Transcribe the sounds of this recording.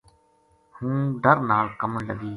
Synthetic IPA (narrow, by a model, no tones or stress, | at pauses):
hũːɖ̪əɾnaːɭkəmləɡiː